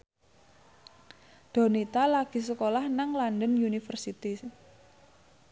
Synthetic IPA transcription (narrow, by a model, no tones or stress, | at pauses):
d̪̥ɔ̤nit̪alaɡ̥i̤səkolahnaŋlandənjunifərsit̪i